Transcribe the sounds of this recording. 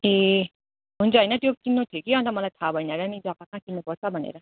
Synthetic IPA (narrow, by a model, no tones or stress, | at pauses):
e | ɦunt͡sʰʌɦʌjnʌt̪jokinːot̪ʰikiɦʌnt̪ʌmʌlajt̪ʰabʱʌjnaɾʌnid͡zʌkakãkinːopʌɾt͡sʰʌbʱʌnḛɾʌ